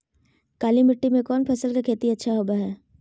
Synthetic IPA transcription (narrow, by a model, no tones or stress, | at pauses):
kaːlimɪʈːimẽkɔːnpʰɐsəlkakʰeːt̪iɐtːʃʰaɦoːbaɦɛː